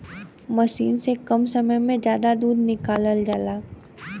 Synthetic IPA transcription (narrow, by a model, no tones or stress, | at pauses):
mɐʃḭːnsekɐmsɐməjmẽd͡ʒjaːd̪ad̪uːd̪nɪkaːləld͡ʒaːlaː